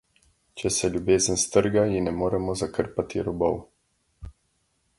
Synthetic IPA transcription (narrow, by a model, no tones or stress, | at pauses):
t͡ʃɛsɛlʲjubeːzənst̪əɾɡajinɛmoːɾɛmɔzakəɾpat̪ḭɾɔbɔw